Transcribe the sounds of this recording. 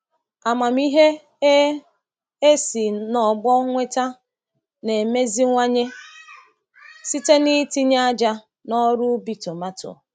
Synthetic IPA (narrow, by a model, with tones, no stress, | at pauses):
a˨ma˨m˦i˦ɦe˦ | e˦si˨nɔ˨ɡ͡bɔ˦ŋʷe˦ta˦ | ne˨me˦zi˦ŋʷa˦ɲe˦ | si˦te˦ni˦ti˦ɲa˦d͡ʒa˦ | nɔ˦ɾʊ˦bi˨to˨ma˦tʊ̰˨